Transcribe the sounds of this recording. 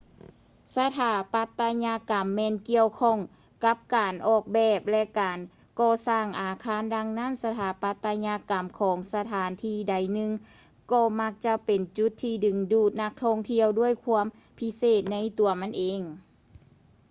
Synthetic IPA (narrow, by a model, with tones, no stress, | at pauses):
sa˧t̪ʰaː˨˧˦pa˧˥t̪ːa˧ɲa˧˥ka˨˩mːɛː˧˨nki˧əwkʰɔ˧˥˨ŋ | ka˧˥p̚kaː˨nʔɔː˧˩k̚bɛː˧˩p̚lɛ˧kaː˨n | kɔː˧˩saː˧˩ŋʔaː˨˩kʰaː˧˥˨nda˧ŋna˧˥˨nsa˧t̪ʰaː˨˩˦pa˧˥t̪ːa˧ɲa˧˥ka˨˩mkʰɔː˨˦ŋsa˧t̪ʰaː˨˦nt̪ʰiː˧˩da˨˩jnɯ˧ŋ | kɔː˧ma˧˥k̚t͡ɕa˧˥pe˨˩nt͡ɕu˧˥t̪ʰːiː˧˩dɯ˨˩ŋduː˧˩t̪̚na˧˥k̚t̪ʰɔ˧˥˨ŋt̪ʰi˧əwdu˥˩əjkʰu˧˥əm | pʰi˧˥seː˧˩t̪̚na˧˥jt̪u˨˩ɐma˧˥˨nʔeː˨˩ŋ